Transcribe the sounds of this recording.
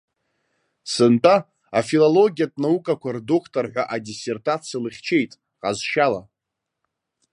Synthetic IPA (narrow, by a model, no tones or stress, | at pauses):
sɨntʼa | afilolo̞ɡʲijatʼnaukʼakʷardokʰtʰʼorħʷaʔadise̞rtʰʼat͡sʰjialɨχʲt͡ʃʰe̞jtʼ | qʼazʃala